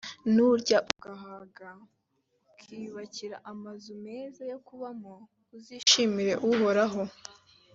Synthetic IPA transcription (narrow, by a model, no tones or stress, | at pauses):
nuɾɟaʔuɡaɦaɡa | kʰiːβaciɾa̰ʔamazume̞zajo̞kuβamo | uziːʃimiɾe̞ʔuɦo̞ɾaɦo̞